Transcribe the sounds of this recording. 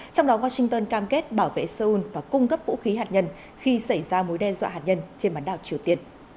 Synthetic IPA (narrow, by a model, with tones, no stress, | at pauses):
t͡ɕa˧wŋ͡mɗɔ˨˦waː˧sï˧ŋt̪əː˧nkaː˧mke˦˥t̚ɓaː˧˩wvḛ˧˨saː˧ʔu˧nvaː˨˩kʊ˧ŋ͡mkə˦˥p̚vṵ˧˥xi˨˦ɦaː˨˩t̚ɲə˧n | xi˧sə˧˩jzaː˧mo˨˦jɗɛ˧zwa̰ː˧˨ɦaː˨˩t̚ɲə˧nt͡ɕe˧nɓaː˨˦nɗaː˨˩wt͡ɕi˨˩əwt̪i˧˩ən